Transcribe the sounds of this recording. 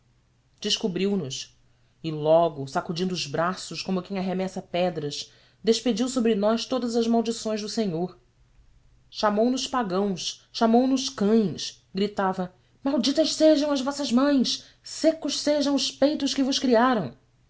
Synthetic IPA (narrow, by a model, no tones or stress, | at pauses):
d͡ʒɪʃkubɾiwnʊʃ | ɪlɔɡʊsakud͡ʒĩnd̪ʊːzbɾasʊʃkõmʊkẽj̃aɦemɛsɐpɛd̪ɾɐʃ | d̪eʃped͡ʒiwsobɾɪnɔʃt̪od̪ɐzɐzmawd͡ʒisõj̃zd̪ʊseɲoɾ | ʃamownʊʃpaɡɐ̃w̃ʃːamownʊʃkɐ̃j̃ʃ | ɡɾit̪avɐ | mawd͡ʒit̪ɐʃseʒɐ̃w̃ɐzvɔsɐzmɐ̃j̃s | sekʊʃseʒɐ̃w̃ʊʃpejt̪ʊʃkɪvʊʃkɾiaɾɐ̃w̃